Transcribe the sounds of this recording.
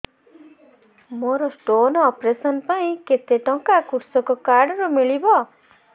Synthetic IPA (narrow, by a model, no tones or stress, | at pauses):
moɾɔsʈonɔɔpɾesɔnpaĩket̪eʈɔŋkakuɾsɔkɔkaɾɖɔɾɔmiɭibɔ